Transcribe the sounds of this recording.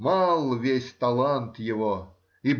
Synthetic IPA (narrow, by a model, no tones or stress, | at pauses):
malˠvʲesʲt̪ɐlˠant̪jɪvo | ib